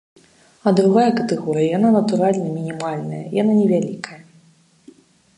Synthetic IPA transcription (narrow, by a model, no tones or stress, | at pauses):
ɐd̪ɾuɣajɐkɐt̪ɛɣɔɾɨjɐjananɐt̪uɾalʲnɐmʲinʲimalʲnɐjɐ̰jananʲɛvʲalʲikʰɐjɐ